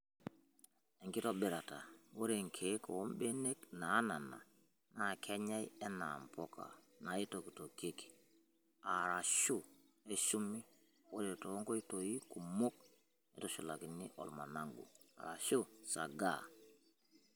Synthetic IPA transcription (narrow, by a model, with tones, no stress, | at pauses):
e˨ŋki˦to˦bi˨ɾa˨ta˨wo˦ɾe˨ŋkʰe˨˦ko˨wo˦mbe˦ne˦kna˨˦na˨na̰˨ | na˨kʰe˦ɲa˦je˦na̰˨mpo˦ka̰˨ | na˨i˦to˨ki˨to˨ke˦ki̥˨ | a˨ɾa˨ʃu˦ | e˦ʃu˦mːi˦ | wo˦ɾe˨to˨˦ŋko˦i˦to˨ji˦ku˨mo˦k̚ | ni˦to˦ʃu˨la˨ki˨ni˦ʔo̰˨lma̰˨na˦ŋɡṵ˨a̰˨ɾa̰˨ʃu˦sa̰˨ɡa̰˦˨